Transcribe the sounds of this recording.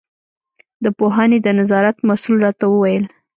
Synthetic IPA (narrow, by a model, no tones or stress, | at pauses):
d̪əpoɦɑned̪ənazɑɾat̪masulɾɑt̪awəwajəl